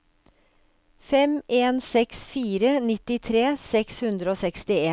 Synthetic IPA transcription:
fɛmeːnsɛksfiːɾənɪt̪ɪt̪ʰɾeːsɛkshʉnd̪ɾəoːsɛkst̪ɪeː

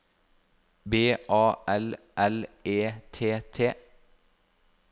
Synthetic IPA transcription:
beːʔɑːʔɛl | ʔɛleːt̪ʰeːt̪ʰeː

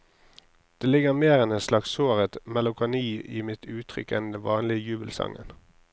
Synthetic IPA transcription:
d̪̥eːlɪɡəʁmeːʁɛnɛt̪slɑksoːʁət̪mɑlʊkʰʊniːiːmɪt̪ʰʉːt̪ʰʁʏ̰kɛnd̪ɛnʋɑːnlɪəjʉːbəlsɑ̰ŋən

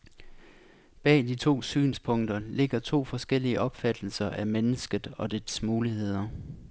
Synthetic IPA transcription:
b̥ɛ̰ːd̥it͡sʰo̝̰ːsy̰ːnspʰɔ̽ŋd̥ɐle̝ɡ̥ɐt͡sʰo̝̰ːfɒ̽sɡ̥el̰iəʔɒ̽b̥fæd̥l̩sɐʔæmenəsɡ̥əð̩ˠɒ̽d̥e̥smuːlihe̝ð̞̰ˠɐ

